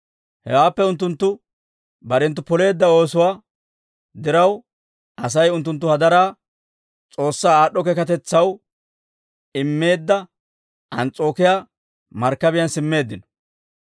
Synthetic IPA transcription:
hɛwaːpːɛʊnt̪̬ːʊnt̪ːʊ | bɐɾɛnt̪̬ːʊpɔle̞ːd̪ːɐo̞ːsʊwaː | d̪ɪɾɐw | ʔɐs̬ɐjʊnt̪̬ːʊnt̪̬ːʊhɐd̪ɐɾaː | t͡sʼo̞ːsːaːaːɗːɔkɛkɐt̪̬ɛt͡sːɐw | ɪmːe̞ːd̪ːɐ | ʔɐnt͡sʼo̞ːkɪjaː | mɐɾkːɐbɪjɐnsɪmːe̞ːd̪ːɪnɔ̥

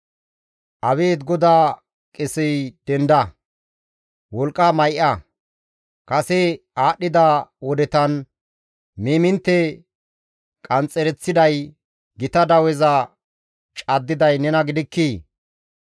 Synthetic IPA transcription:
ʔɐbeːd̪ɡɔd̪aː | kʼɪsɪjd̪̥ɛnd̪ɐ | wɔlkʼːamɐjʔɐ | kɐsɛ | aːɗːɪd̪awɔd̪ɛt̪ɐn | meːmɪnt̪ːɛ | kʼɐnt͡sʼːɛɾɛt͡sːɪd̪ɐj | ɡɪt̪ɐd̪ɐwɛzɐ | t͡ʃʼɐd̪ːɪd̪ɐjnɛnɐɡɪd̪ɪkːiː

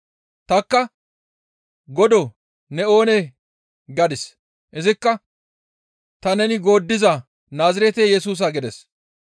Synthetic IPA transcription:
t̪ɐkːɐ | ɡɔd̪ɔ | nɛo̞ːnɛ | ɡɐd̪ɪs | ʔɪzɪkːɐ | t̪ɐnɛnɪɡo̞ːd̪ːɪzɐ | naːzɪɾɛt̪ejɛsuːs̬ɐɡɪd̪ɛs

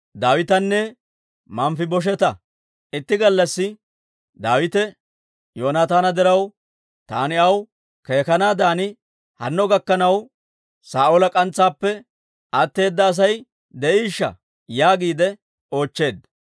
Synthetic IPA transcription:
d̪aːwɪt̪ɐnːɛ | mɐmfɪbɔʃ̬ɛt̪ɐ | ɪt̪ːɪɡɐlːɐsːɪ | d̪aːwɪt̪ɛ | joːnaːt̪aːnɐd̪ɛɾɐw | t̪aːnɪɐw | ke̞ːkɐnaːd̪aːnɪ | hɐ̰nːɔɡɐkːɐnɐw | saːʔolɐkʼɐnt͡sːaːpːɛ | ɐt̪ːe̞ːd̪ːɐːs̬ɐj | d̪ɛʔiːʃːɐ̰ | jaːɡiːd̪ɛ | o̞ːt͡ʃːe̞ːd̪ːɐ

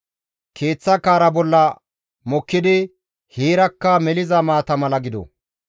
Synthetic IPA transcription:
kʰe̞ːt͡sːɐkaːɾɐbɔlːɐ | mɔkːɪd̪ɪ | hiːɾɐkːɐmɛlɪzɐmaːt̪ɐmɐlɐɡɪd̪ɔ̰

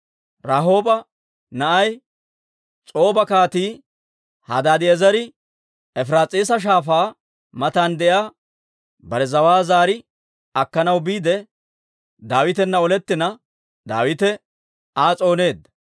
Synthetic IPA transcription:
ɾaːɦo̞ːbɐ | nɐʔɐj | t͡sʼo̞ːbɐkaːt̪iː | hɐ̰d̪aːd̪ɪɛzɐɾɪ | ɛfɾaːt͡sʼiːs̬ɐʃ̬aːfaː | mɐt̪and̪ɛjaː | bɐɾɛzɐwaːzaːɾɪ | ɐkːɐnɐwbiːd̪ɛ | d̪aːwɪt̪ɛnːɐɔlɛt̪ːɪnɐ | d̪a̰ːwɪt̪ɛ | aːt͡sʼo̞ːne̞ːd̪ɐ

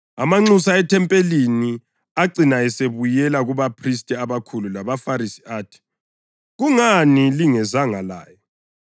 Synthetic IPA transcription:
a̰maŋ͡ǀusaɛtʰɛmpʼelini | aǀinaɛseβujɛlaɣuβapʰristʼiaβakʰululaβafaɾisi̥aːtʰi̥ | ɣuŋaniliŋɛzaŋala̰ːjɔ

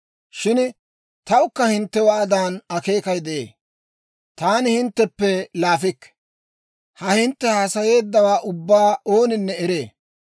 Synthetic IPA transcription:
ʃɪn | t̪ɐʊkːɐhɪnt̪ːɛwaːd̪aːnɐke̞ːkɐjd̪ɛʔḛː | t̪aːnɪhɪnt̪ːɛpːɛlaːfɪkː | hɐhɪnt̪ːɛhaːsɐje̞ːd̪ːɐwaːʔʊbːaːʔo̞ːnɪnːɛɛɾeː

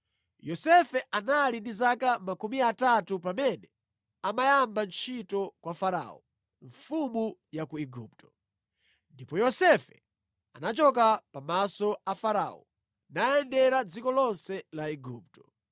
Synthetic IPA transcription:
jɔsɛfɛʔanalindizakamakumiatatupamɛnɛ | amajambant͡ʃʰitɔkwafaɾa̰ɔ̰ | ɱfumujakuiɡup̚tɔ̥ | ndipɔjɔsɛfɛ | anat͡ʃɔkapamasɔafaɾa̰ɔ̰ | naɛndɛɾad͡zikɔlɔnsɛlaiɡup̚tɔ

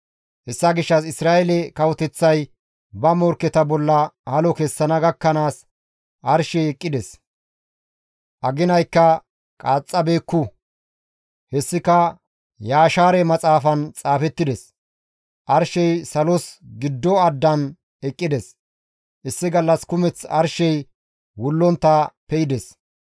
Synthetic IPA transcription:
hɛsːɐɡɪʃːɐsɪsɾaːʔɛlɛkɐwɔt̪ɛt͡sːɐj | bɐmɔɾkːɛt̪ɐbɔlːɐhɐlɔkɛsːɐnɐɡɐkːɐnaːs | ʔɐɾʃɛjɛkʼːɪd̪ɛs | ʔɐɡɪnɐjkːɐ | kʼaːt͡sʼːɐbe̞ːkːʊ | hɛsːɪkɐ | jaːʃaːɾɛmɐt͡sʼaːfɐnt͡sʼaːfɛt̪ːɪd̪ɛs | ʔɐɾʃɛjsɐlɔsɡɪd̪ːɔɐd̪ːɐn | ɛkʼːɪd̪ɛs | ʔɪsːɪɡɐlːɐskʊmɛt͡sɐ̰ɾʃɛj | wʊlːɔnt̪ːɐpɛjɪd̪ɛs

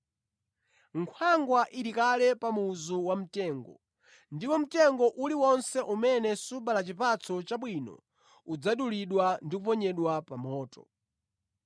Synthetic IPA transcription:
ŋkʰwaŋɡwaʔiɾikalɛpamuzuwam̩tɛːŋɡɔ | ndipɔm̩tɛŋɡɔʔuliwɔnsɛʔumɛnɛsuɓalat͡ʃipat͡sʰɔt͡ʃaɓwinɔ̰ | ud͡zaɗuliɗwandikupɔɲɛɗwapamɔːtɔ̥

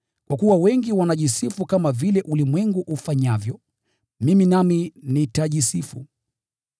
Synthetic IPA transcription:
kwakuwawɛŋɡiwanaʄisifukamavilɛʔulimwɛŋɡuʔufaɲavjɔ | miminaminitaʄisifṵ

